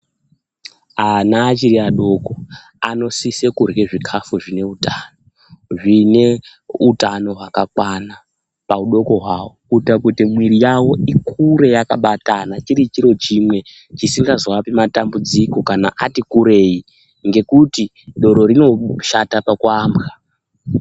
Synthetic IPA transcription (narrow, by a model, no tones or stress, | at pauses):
anaːt͡ʃiɾiaɗo̞ko̞ | ano̞sise̞kurɣe̞ʐikʰafuʐine̞utano | ʐine̞ | utano̞ɦwakakwana | pauɗo̞ko̞ɦwawokutakutimwiɾijawo̞ʔikʰuɾe̞jaka̰ɓatanat͡ʃiɾit͡ʃiɾo̞t͡ʃimwe̞ | t͡ʃisiŋɡazwapimatambud͡ziko̞kana̰ʔatikuɾe̞i | ŋɡe̞kuti | ɗo̞ɾo̞ɾino̞ʃatapakuaːmbɣa